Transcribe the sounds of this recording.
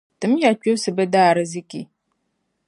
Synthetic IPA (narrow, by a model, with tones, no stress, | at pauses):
tɨ˨˦m˦ja˨t͡ʃu˦sɨ˨bɛ˦daː˦˨ɾɨ˦zi˦kḭ˨